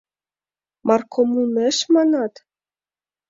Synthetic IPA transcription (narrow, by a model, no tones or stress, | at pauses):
mɑrkʰomuneʃmɑnɑt̪